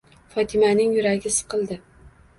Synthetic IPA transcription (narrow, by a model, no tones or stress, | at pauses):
fɒt̪ʰɪmanɪŋjʊɾaɡʲɪsɨ̥qʰɨlˠd̪ɪ